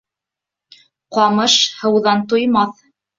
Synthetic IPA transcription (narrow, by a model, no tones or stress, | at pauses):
qɑmɤʃhɤ̆wðɑnt̪ŏjmɑθ